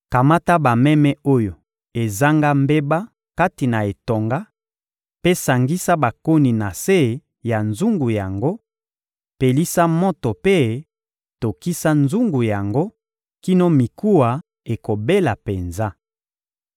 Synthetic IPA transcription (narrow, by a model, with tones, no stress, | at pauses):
ka˨ma˦ta˦ba˨mɛ˦mɛ˦o˦jo˨ | e˨za˦ŋɡa˦mbe˦ba˦ | ka˦ti˨na˨e˨to˨ŋɡa˦ | pe˦sa˨ŋɡi˦sa˦ba˨ko˦ni˨na˨se˦ | ja˨nzu˦ŋɡu˨ja˨ŋɡo˦ | pe˨li˦sa˦mo˦to˨pe˦ | to˨ki˦sa˦nzu˦ŋɡu˨ja˨ŋɡo˦ | ki˦no˦mi˨ku˦a˨ | e˨ko˨be˦la˨pe˨nza˦